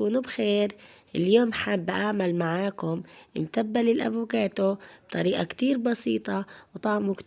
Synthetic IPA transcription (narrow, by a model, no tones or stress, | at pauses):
nubxeːɾʔɪljoːmħabːʔaːmalmaʕaːkʊmʔɪmt̪abːalilʔa̰bʊkaːt̪ʊb̥̚t̪ˤɑɾiːʔakt̪iːɾbɑsiːt̪ˤɑwt̪ˤɑʕmuk̪